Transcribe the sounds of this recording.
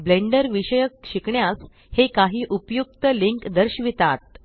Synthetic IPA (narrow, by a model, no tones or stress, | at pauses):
bleɳɖəɾʋiɕəjək̚ɕikɳjas | hekaɦiːʔupjuk̚t̪əliŋkd̪əɾɕʋit̪at̪̚